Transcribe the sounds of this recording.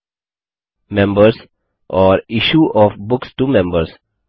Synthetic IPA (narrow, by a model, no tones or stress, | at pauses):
mɛ̃mbəɾs | ʔɔɾiʃuʔɔfbʊksʈumɛ̃mbəɾs